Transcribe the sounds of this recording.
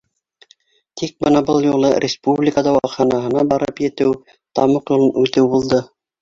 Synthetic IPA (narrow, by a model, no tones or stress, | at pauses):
t̪ik̚bɤnɑbɤlˠjulˠɤrʲɪspublʲikad̪ɑwɑχɑnɑɦɤ̆nɑbɑɾɤpjɘ̆t̪ɘw | t̪ɑmɤqjulˠɤnʉt̪ɘwbulˠd̪ɤ